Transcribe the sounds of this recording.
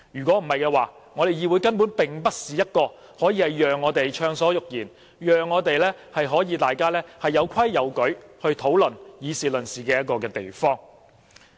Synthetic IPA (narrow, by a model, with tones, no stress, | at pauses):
jyː˨˩kʷɔː˨˥m̩˨˩hɐ˨jkɛː˧waː˨˩ | ŋɔː˨˧t̪e˨jiː˨˧wuː˨˧jkɐ˥npu˨˥npɪ˨ŋpɐ˥t̚siː˨jɐ˥t̚kɔː˧ | hɔː˨˥jiː˨˧hɐ˨˩jjœː˨ŋːɔː˨˧t̪e˨jt͡ʃʰœː˧ŋsɔː˨˥jʊ˨k̚jiː˨˩n | jœː˨ŋːɔː˨˧t̪e˨jlɛː˥hɐ˨jɦɔː˨˥jiː˨˧t̪aː˨jkaː˥lɛː˥hɐ˨jːɐ˨˧wkʰɐ˥jːɐ˨˧wkɵ˨˥ɥhɵ˧ɥt̪ʰo˨˥wlɵ˨˩njiː˨˧siː˨˩lɵ˨nsiː˨kɛː˧jɐ˥t̚kɔː˧kɛː˧t̪ḛ˨jfɔː˥ŋ